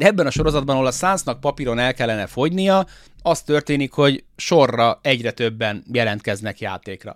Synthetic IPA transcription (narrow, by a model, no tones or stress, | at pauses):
ɛbːɛnɒʃo̞ɾo̞zɒd̪bɒnɒolɒsaːnsnɒk̚pɒpiɾo̞nɛlkɛlːɛnɛfo̞ɟnijɒ | ɒst̪ːø̞rt̪eːnikho̞ɟʃo̞rːɒɛɟrɛt̪ø̞bːɛnjɛlɛnt̪kɛznɛkja̰ːt̪eːkrɒ̰